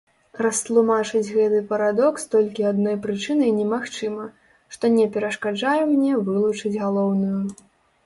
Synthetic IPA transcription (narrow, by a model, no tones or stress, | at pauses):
rɐst̪lˠumat͡ʂɨd͡zʲɣɛt̪ɨpɐɾad̪ɔkst̪ɔlʲkʲiad̪nɔjpɾɨt͡ʂɨnɨjnʲɛmaxt͡ʂɨmɐ | ʂt̪ɔnʲɛpʲɛɾɐʂkad͡ʐajɛmnʲɛvɨlˠut͡ʂɨd͡zʲɣalˠɔwnuju